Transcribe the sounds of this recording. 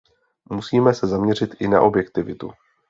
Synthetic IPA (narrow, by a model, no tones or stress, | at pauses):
musiːmɛsɛzamɲɛr̝ɪt̪ʔɪna̰ʔo̞bjɛkt̪ɪvɪt̪ṵ